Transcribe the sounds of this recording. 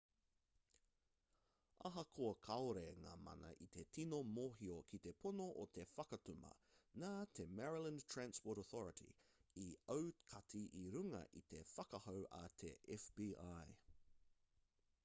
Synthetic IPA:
ɐɦɐkʰoɐkʰɐoɾeŋa̰ːmɐ̰nɐ̰ʔit̪etʰinomoɦiokʰit̪epʰonoʔot̪ʰe̞fɐkɐt̪umɐ̰naːt̪ʰemɛɹilə̃ntʰɹænspoːɾoθɔɹətʰḭiəwkʰɐt̪ʰiʔiɾʉŋɐ̰ʔit̪e̞fɐkɐhowʔɐ̰t̪ʰḛʔɛfb̥iːʔaj

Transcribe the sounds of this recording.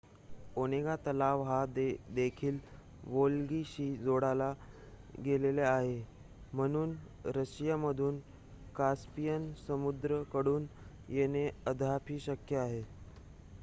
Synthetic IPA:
oñeɡat̪əlaʋɦad̪ekʰiːl | ʋolɡiɕiːd͡zoɽala | ɡeleleaɦe | m̤əɽ̃uːn | ɾəɕijaməd̪ʱuːn | kaspijənsəmud̪ɾəkəɽuːn | jeneəd̪ʱapʰiːɕəkjəaɦe

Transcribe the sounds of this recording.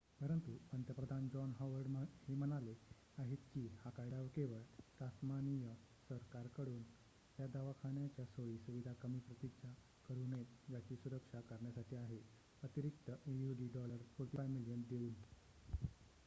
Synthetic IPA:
pəɾənt̪uənt̪jəpɾəd̪ʱand͡ʑɔnɦɔʋəɾɖhem̤ənale | aɦit̪kiːhakajɽaʋkeʋəɭt̪asmanijə | səɾkaɾkəɽuːn | t̪jad̪aʋakʰaɳjat͡ɕjasojiːsuʋid̪ʱakəmiːpɾət̪iɡt͡ɕa | kəɾunet̪d͡ʑat͡ɕiːsuɾəkʂakəɾɳjasaʈʰiːaɦe | ət̪iɾik̚t̪əʔejuɖiɖɔləɾpuɾʈ̪ifajmilijənd̪euːn

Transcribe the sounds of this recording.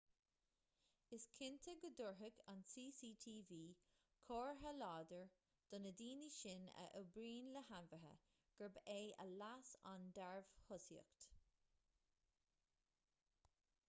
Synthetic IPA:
ɪskʰɪnt̪ʰəɡəd̪ʊɹɦəɡansiːsiːt̪ʰiːviː | kʰoːɹɦəlɑːd̪əɹ | d̪̥ʊnəd̪iːniʃɪnə̰ʔəbɾiːnləhanvəɦə̰ | ɡ̥əɹbeːə̰lasa̰nd̪ɛɹv̥hʊsjə̰kt̪

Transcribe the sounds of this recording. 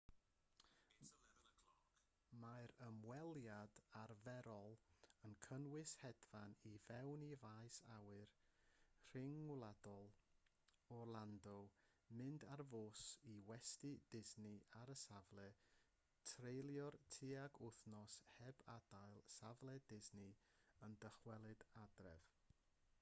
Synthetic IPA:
maɨɾəmwɛlˠjadarvɛɾɔlˠənkʰənwɪshɛdvanivɛwnivajsawɨr | r̥ɪŋwlˠad̥ɔlˠ | ɔrlˠandɔ | mɨndarvoːsiwɛstɨd̥ɪznɪaɾəsavlˠɛ | tʰrejlˠjɔrtʰiaɡʊθnɔshɛbad̥ajlˠsavlˠɛdɪznɨɪ | əndəχwɛlˠɨdadrɛ̰v̥

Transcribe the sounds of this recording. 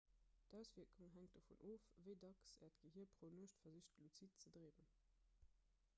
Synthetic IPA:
d̥æˑʊsv̥iɐkʰuŋɦæŋt̚d̥ɑfṵnʔoːfvəɪdɑksɛ̰ːɐtɡ̥əɦiːɐpʁonoəʃtfɐziɕtlut͡sit̚t͡sədʁeːbən

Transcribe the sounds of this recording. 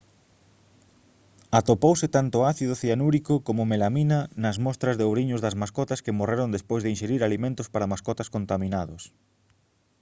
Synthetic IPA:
at̪opowsɪt̪ant̪ʊaθiðʊθianuɾikokomʊmelaminɐnɐzmɔst̪ɾɐzðeowɾiɲʊzðɐzmaskɔt̪ɐskemoreɾond̪espojzðɪinʃeɾiɾalimẽnt̪ʊspaɾamaskɔt̪ɐskont̪amĩnaðʊs

